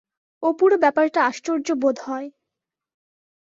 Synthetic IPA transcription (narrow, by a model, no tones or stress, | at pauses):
opuɾobɛpaɾʈaaʃt͡ɕoɾd͡ʑobod̪ʱɦɔe